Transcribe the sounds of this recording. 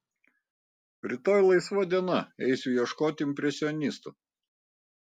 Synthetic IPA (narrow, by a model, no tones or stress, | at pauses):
ɾʲɪt̪oːjlˠɐɪsʋɐd̪ʲiɛnɐɛɪsʲujɛʃkoːt̪ʲɪɪmʲpʲɾʲɛsʲɪɔnʲɪst̪u